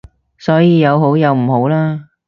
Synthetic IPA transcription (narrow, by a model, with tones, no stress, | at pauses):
sɔː˨˥jiː˨˧jɐ˨˧wɦo˨˥wjɐ˨˧wm̩˨˩ɦo˨˥wlaː˥